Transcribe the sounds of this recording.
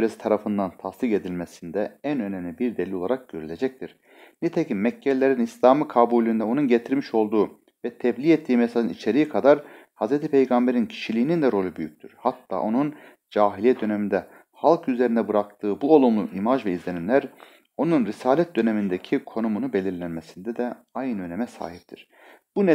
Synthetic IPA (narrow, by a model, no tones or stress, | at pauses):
yɾesi̥t̪ʰaɾafɯnd̪ant̪ʰast̪ike̞d̪ilʲmesind̪ɛænønɛmlʲibiɾd̪elʲio̞lˠaɾak̚ɟ̥øɾylʲe̞d͡ʒɛc̚t̪ʰiɾ̥ | nɛt̪ʰecimːɛcʰːɛlʲːe̞ɾinislʲaːmɯkʰabuːlʲyːnd̪ɛo̞nunɟet̪ʰiɾmiʃo̞lˠd̪uː | vɛt̪ʰɛblʲiːɛt̪ʰːiːmɛsalɯnit͡ʃʰe̞ɾijikʰad̪aɾ | hazɾet̪ʰipʰejɡambe̞ɾincʰi̥ʃilʲiːnind̪ɛɾo̞lʲˠubyjyc̚ʲt̪ʰyɾ̥hat̪ʰːa̰ːʔo̞nun | d͡ʒaːɦilʲijɛd̪ø̞nemind̪ɛ | halˠkʰyze̞ɾind̪ɛbɯɾak̚t̪ʰɯːbuolˠumlˠuʔimaʒvɛizlʲe̞nimlʲæɾ | o̞nunɾisaːlʲɛt̪̚d̪ø̞ne̞mind̪ecʰikʰo̞numunube̞lʲiɾlʲænmesind̪ɛd̪ɛ | ajnɯø̞nemɛsa̰ːɦip̚t̪ʰiɾ̥ | b̥unɛ